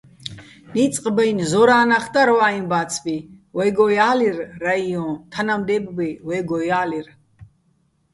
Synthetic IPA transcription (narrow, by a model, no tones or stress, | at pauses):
nit͡sʼqʼbɛjnzɔɾaːnaχd̪aɾɔwainbat͡sʰbiwɛɡɔjaːlirːaiɔ̃t̪ʰanamd̪ɛbbiwɛɡɔjaːlir